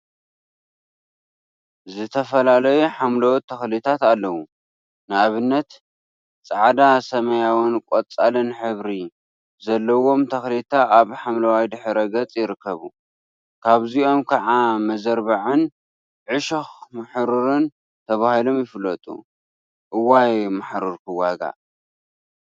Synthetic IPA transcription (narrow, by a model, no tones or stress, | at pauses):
zɨt̪ʰɐfɐlalɐjuħamlɐwt̪ʰɐxlit̪ʰat̪alːɐwu | nɨaβɨnːɐt̪ | t͡sʼaʕd̪asɐmɐjawɨnkʷʼot͡sʼalɨnħɨβɾi | zɐlːɐwo̞mt̪ʰɐxlit̪ʰaʔaβħamlɐwajd̪ɨħɾɐɡɐt͡sʼjɪɾɨkʰːɐβu | kʰaβzio̞mkʰɐʕamɐzɐɾbaʕɨn | ʕɨʃɐxmaħɾɨɾɨn | t̪ʰɐβahilo̞mjɪfɨlːɐt̪ʼṵ | ʔɨwajmaħɾuɾkʰɨwaɡa̰